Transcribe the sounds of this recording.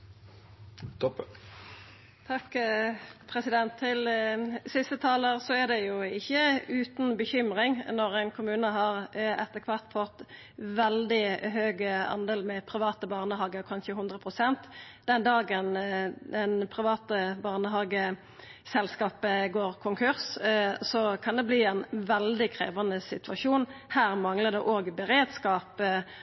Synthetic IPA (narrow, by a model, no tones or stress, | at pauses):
t̪ʰɑk | pʰʁɛsɪd̪ɛnt̪ʰːɪlsɪst̪ət̪ʰɑːləʁsɔæʁd̪ɛjʊɪçːəʉːt̪nbəçʏmʁɪŋnɔʁæɪnkʰʊmʉːnəɦɑːʁɛt̪ːəkʰʋɑʁt̪fɔt̪ | ʋɛld̪ɪhøːɡəɑ̰nd̪eːlmɛpʰʁɪʋɑːt̪əbɑʁnəɦɑːɡəɔkʰɑnʃəhʉnd̪ʁəpʰʁʊsɛnt̪ | d̪̥ɛnd̪ɑːɡənɛnpʰʁɪʋɑːt̪əbɑʁnəɦɑːɡə | sɛlskɑːpəɡoːʁkʰʊŋkʰʉʁssɔkʰɑnd̪ɛbliːɛnʋɛld̪ɪkʰʁḛːʋɑnəsɪt̪ʉɑʃuːnhæːʁmɑŋləd̪ɛʔoːɡbəʁeːd̪skɑːp